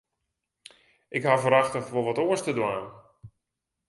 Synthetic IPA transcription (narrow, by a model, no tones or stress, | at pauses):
ɪkɦavəɾaxtəxʋolˠʋɔtoəstədwaːn